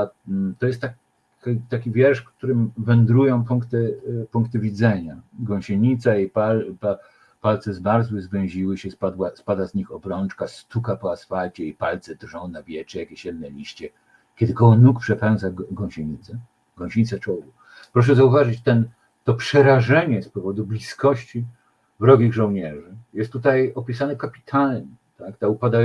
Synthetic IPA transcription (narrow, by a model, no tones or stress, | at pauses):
t̪ɔjɛst̪ːa | t̪akʲivʲjɛɾʂfkt̪uɾɘmvɛnd̪ɾujɔ̃w̃puŋkt̪ɛpuŋkt̪ɘvʲid̪zɛɲaɡwɔ̃w̃ɕeɲit̪sajepalpa | palt̪sɛzmaɾzwɘzvʲɛ̃w̃ʑiwɘɕɛspad̪waspad̪azɲixɔbɾɔnt͡ʂkast̪ukapɔasfalt͡ɕɛipalt̪sɛd̪rʐɔ̃w̃navʲjɛt͡ʂɛjakʲeɕɛd̪nɛlʲiɕt͡ɕɛ | kʲɛd̪ɘkɔwɔnukpʂɛpɾajɔ̃zaɡɔ̃w̃ɕeɲit̪sɛ | ɡɔ̃w̃ɕeɲit̪sɛt͡ʂɔwu | pɾɔʂ̬ɛzauvaʐɘt͡ɕt̪ɛn | t̪ɔpʂɛɾaʐɛɲɛspɔvɔd̪ublʲiskɔɕt͡ɕi | vɾɔɡʲiɣʐɔ̃wɲɛʐɘjɛst̪ːut̪ajɔpʲisanɛfkapʲi̥t̪ʰalɲɪt̪akt̪aupad̪a